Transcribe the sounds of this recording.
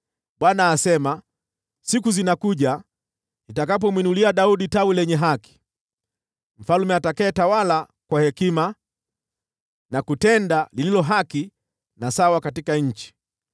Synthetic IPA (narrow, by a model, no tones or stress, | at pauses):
ɓwanaːsɛma | sikuzinakuʄa | itakap̬ɔmwinuliaɗauɗitawilɛɲɛɦaki̥ | m̩falumɛatakɛːtawala | kwahɛkima | nakutɛndalililɔɦaki | nasawakatikaɲ̩t͡ʃi̥